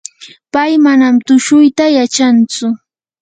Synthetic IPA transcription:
pajmanamt̪ʊʃʊjt̪ajat͡ʃant͡sʊ

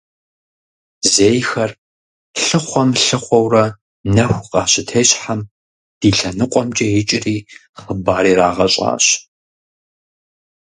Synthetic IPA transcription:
zeːjxɐr | ɬɨχʷɔmɬɨχʷɔwrɐ | nɐxʷqʼɑːɕɪtʰeːɕħam | d̥iːɬɐnɨqʷʼɔmt͡ʃʼɐjɪt͡ʃʼɪriː | χəbaːɾiːɾaːʁɐɕʼa̰ːɕ

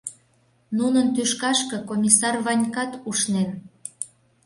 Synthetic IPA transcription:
nunənt̪yʃkɑʃkɤ̆komʲisɑrβɑnʲkɑt̪uʃnen

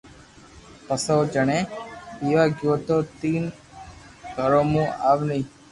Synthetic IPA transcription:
pəsoːd͡ʒəɳ̃ẽpiʋaːɡjuːʋt̪ot̪iːn | ɡəɾomũːaːʋnəĩ

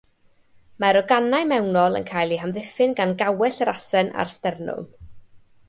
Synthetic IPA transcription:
maɾɔɡanajmɛwnɔlˠə̰nkʰajlˠiɦamðɪfɪnɡanɡawɛɬərasɛna̰rstɛrnʊ̰lˠ

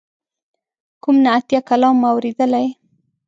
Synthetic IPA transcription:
kumnaːt̪jakalɑmːawɾed̪əlaj

